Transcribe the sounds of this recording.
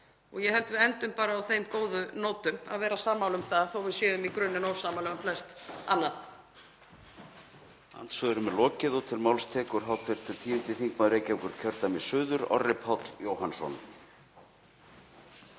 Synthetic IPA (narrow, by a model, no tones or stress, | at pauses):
ɔɣjɛɦɛlt̪vɪðɛnt̪ʏmpaːɾaːwθejmkoːwðʏnoːwt̪ʏma̰ðvɛːɾasaːmawlʏmθaðθowvɪðsjɛːðʏmikɾʏnːʏnoːwsaːmawlʏmflɛst̪anːað | a̰nt̪svœðʏɾʏmɛlɔːcɪðɔt̪ʰɪlmawlst̪ʰɛːkʏɾ̥ɦawt̪ʰɪɾ̥t̪ʰɪlt̪ʰiːʏnt̪ɪθiŋkmaðɾeːjcawkʏɾ̥cʰœɾt̪amisʏːðʏɾɔ̰rːɪphɔt̪ljoːwhansɔ̰n